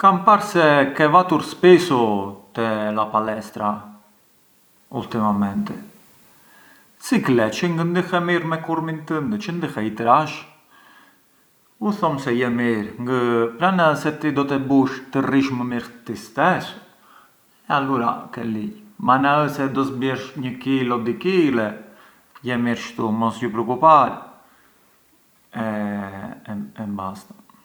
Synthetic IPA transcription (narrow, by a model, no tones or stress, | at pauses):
kampaɾsɛkɛvat̪uɾspisut̪ɛlapalɛst̪ɾa | ṵlt̪imamɛnt̪ɛ | siklɛt͡ʃəŋɡənd̪ixɛmiɾmɛkuɾmint̪ənd̪ət͡ʃənd̪ixɛjt̪əɾaʃ | uθɔmsɛjɛmiɾŋɡəpɾanəəsɛt̪id̪ɔt̪ɛbuʃt̪əriʃməmiɾt̪ist̪ɛs | ɛaluɾa̰kɛlijmanaəsɛd̪ɔsbjɛʃɲəkilɔd̪ikilɛ | jɛmiɾʃt̪umɔsjupɾɔkupaɾɛ | ɛ | ɛmbast̪ḁ